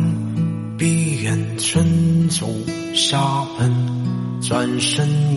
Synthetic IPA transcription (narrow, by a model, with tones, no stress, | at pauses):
pi˥ɥɛ˨˩n | t͡sʰwə˥nt͡so˨˩˦ʊ | ʂa˥pʰə˥n | t͡swa˥nʂə˥n